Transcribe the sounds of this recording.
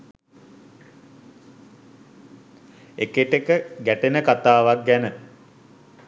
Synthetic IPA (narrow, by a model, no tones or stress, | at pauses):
ekeʈekəɡæʈenəkat̪aːʋak̚ɡænə